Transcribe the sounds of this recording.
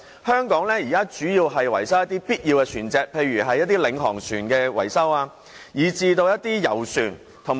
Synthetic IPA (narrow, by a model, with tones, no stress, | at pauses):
hœː˥ŋkɔː˨˥ŋlɛː˥jiː˨kaː˥t͡ʃyː˨˥jiː˧wɦɐ˨jwɐ˨˩jsɐ˥wjɐ˥t̪iː˥piː˥t̚jiː˧wkɛː˧t͡ʃʰyː˨˩nt͡sɛː˧k̚pʰe˧jɥyː˨˩ɦɐ˨jːɐ˥t̚t̪iː˥lɪ˨˧ŋɦɔː˨˩ŋsyː˨˩nkɛː˧wɐ̰˨˩jsɐ˥waː˧ | jiː˨˩t͡siː˧t̪o˧wjɐ˥t̚t̪iː˥jɐ˨˩wsyː˨˩n | t̪ʰʊ˨˩ŋ